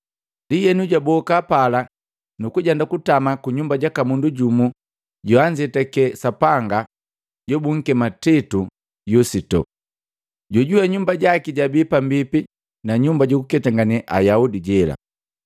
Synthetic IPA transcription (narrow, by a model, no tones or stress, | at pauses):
ndijɛnuɟabɔkapala | nukuɟandakutamakuɲumbaɟakamunduɟumu | ɟɔaɲd͡ʒɛtɛkɛsapaŋɡa | ɟɔbuŋ̩kɛmatitu | jusitɔ̰ | ɟɔɟuaɲumbaɟakiɟabipambipi | naɲumbaɟukukɛtaŋɡanɛʔa̰jaudiɟɛla̰